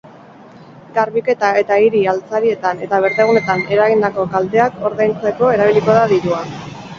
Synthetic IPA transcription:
ɡaɾβike̞t̪ae̞t̪aiɾialt͡saɾie̞t̪ane̞t̪aβ̞e̞ɾt̪eɣ̞une̞t̪ane̞ɾaɣind̪ako̞kalt̪e̞ako̞ɾðajnt͡se̞ko̞e̞ɾaβiliko̞ðaðiɾua

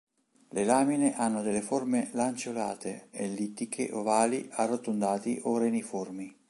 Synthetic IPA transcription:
lelaːmineʔanːod̪elːeformelant͡ʃolaːt̪ʰeelːit̪ːikʰḛʔovaːliʔarːot̪ːond̪aːt̪ḭʔoɾeniformi

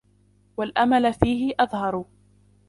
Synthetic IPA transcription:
walʔamalfiːɦɪʔɑðˤhɑɾˤ

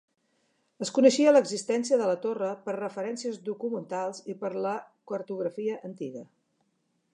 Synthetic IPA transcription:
əskunəʃiələɡzist̪ɛnsiəðələt̪orəpəɾrəfəɾɛnsiəzðukumənt̪alˠzipəɾləkəɾt̪uɣɾəfiəʔənt̪iɣə

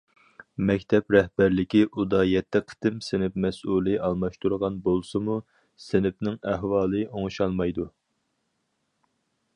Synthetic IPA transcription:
mɛkʲt̪ʰɛpɾɛhbæɾlɪkʲiʔud̪ɑjɛt̪ʰːɪqʰə̥t̪ɪmsɪnɪpmɛsulˠɨʔɑlˠmɑʃt̪ʰuɾʁɑnbolˠsɨmu | sɪnɪp̚nɪŋæɦwɑːlˠɨʔoŋʃɑlˠmɑjd̪u

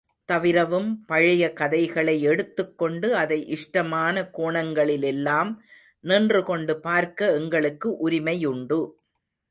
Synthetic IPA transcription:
t̪ɐʋɪɾɐʋɯmpɐɻɪjɐkɐðɐɪɣɐɭɐɪɛɽɯt̪ːɯkːɔɳɖɯɐðɐɪʔɪʂʈɐmaːnɐkoːɳɐŋɡɐɭɪlɛlːaːm | nɪːndrɯkɔɳɖɯpaːɾkɐɛŋɡɐɭɯkːɯʔʊɾɪmɐjʊɳɖɯ

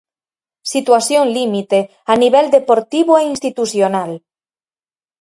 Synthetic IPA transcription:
sit̪wasjõŋlimit̪e | aniβɛld̪epoɾt̪iβoeinst̪it̪usjonal

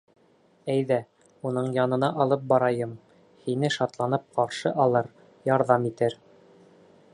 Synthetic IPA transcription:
æjðæ | unɤɴjɑnɤ̆nɑʔɑlˠɤp̚bɑɾɑjɤm | hinɘʃɑt̪lˠɑnɤp̚qɑɾʃɤʔɑlˠɤɾ | jɑɾðɑmit̪ɘɾ

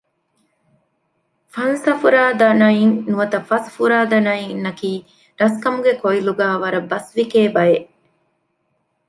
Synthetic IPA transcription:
fɐnsɐfuɾaːd̪ɐnɐiŋnuʋɐt̪ɐfɐsfuɾaːd̪ɐnɐjinːɐkiː | ɾɐskɐmuɡekoiluɡæːʋɐɾɐbɐsʋikeːbɐjeʔ

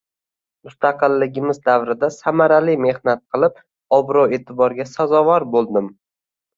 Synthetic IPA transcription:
mʊst̪ʰɑqɨlːɪɡʲɪmɪzd̪avɾɪd̪asamaɾalɪme̞hnat̪̚qʰɨlˠɪp̚ | ɒbɾɒwe̞t̪ʰɪbɒɾɡʲasazɒvaɾbolˠd̪ɪm

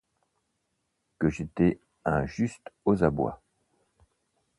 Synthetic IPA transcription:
kəʒet̪ɛ | ɛ̃ʒyst̪ozabwa̰

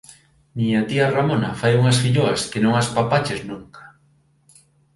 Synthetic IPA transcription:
miɲɐt̪iɐramonɐfajuŋɐsfiʎoɐskenõŋaspapat͡ʃeznũŋkḁ

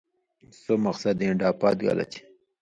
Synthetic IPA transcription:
somaqsad̪iɳɖɑːpɑ̰t̪̚ɡa̰la̰t͡ʃi̥

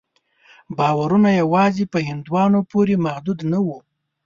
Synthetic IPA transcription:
bɑwaɾunajawɑzepəhɪnd̪wɑnopoɾemahd̪ud̪nawu

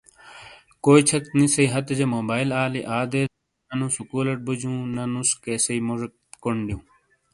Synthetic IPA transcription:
koːit͡ɕʰɐk̚t̪nisɐiɦɐt̪ɐd͡ʑemoːbaːilaːliʔaːd̪eː | ɐnusukuːlɐʈ̚bud͡ʑũːnɐnuskeːsɐimoʐɐ | koɳɖjũː

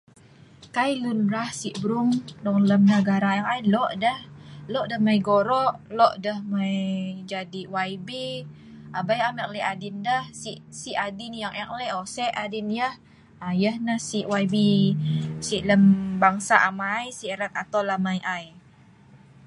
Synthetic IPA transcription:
kajlunɾahsiʔbɾuŋdɔŋləmnəɡaɾaaŋajlɔʔdəhlɔʔdəhmajɡoɾɔʔlɔʔdəhmajd͡ʒadiwajbe | ʔabajamɛk̚lɛʔadindəhsiʔsiʔadinjaŋʔɛklɛʔɔsɛʔadinjəh | ajəhnəhsiʔwajbi | siʔləmbaŋsaʔamajsiʔɾat̪̚at̪awlamajʔaj

